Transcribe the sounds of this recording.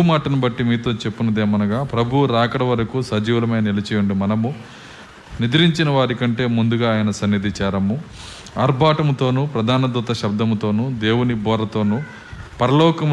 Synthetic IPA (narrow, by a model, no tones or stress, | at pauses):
maːʈɐnɐbɐʈːimiːt̪o̞ːt͡ʃe̞pːunɐd̪eːmɐnɐɡaːpɾɐbʱuuɾaːkɐɽɐʋɐɾɐkusɐd͡ʒiːʋlɐmɐjnɐilɐt͡ʃɛːjuɳɖimɐnɐmu | nid̪ɾiɲt͡ʃinɐʋaːɾikɐɳʈe̞ːmund̪uɡaːjɐnɐsɐnːid̪it͡ʃaːɾɐmu | ɐɾbʱaːʈɐmt̪o̞ːnupɾɐd̪ʱaːnɐd̪ut̪ɐʃɐb̚d̪ɐmt̪o̞ːnud̪e̞ːwunibɔːɾɐt̪o̞ːnu | pɐɾɐlɔːkɐm